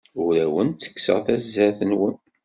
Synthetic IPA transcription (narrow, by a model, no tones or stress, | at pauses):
ʊɾæwənt͡sːə̥kːsə̰ʁθæzːæθənwən